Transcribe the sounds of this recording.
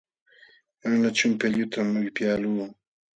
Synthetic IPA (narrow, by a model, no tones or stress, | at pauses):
anat͡ʃʊmpeʎʊt̪ʰamːʊjpjaːluː